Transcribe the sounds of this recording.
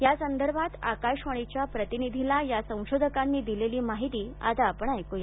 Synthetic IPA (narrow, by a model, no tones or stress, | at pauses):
jasənd̪əɾbʱat̪a̰kaɕʋəɽ̃it͡ɕjapɾət̪inid̪ʱilajasə̃w̃ɕod̪ʱəkanːiːd̪ileliːmaɦit̪iːa̰t̪aːpɳ̃ajkoja